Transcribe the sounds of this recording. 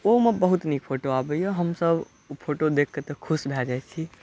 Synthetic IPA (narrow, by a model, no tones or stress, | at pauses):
omebəɦut̪nikpʰoʈoabəjoɦəmsəb | pʰoʈod̪ekʰːet̪əkʰusbʱɛd͡ʒajt͡ʃʰi